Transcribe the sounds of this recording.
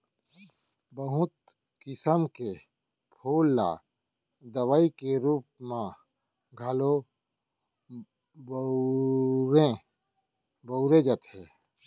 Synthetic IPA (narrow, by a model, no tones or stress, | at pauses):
bəɦʊt̪̚ | kɪsəmke | pʰoːlːa̰ | d̪əwaikeɾuːp̚mã | ɡʱɐlo | b | ɾẽ | bəʊɾed͡ʒət̪ɦɛː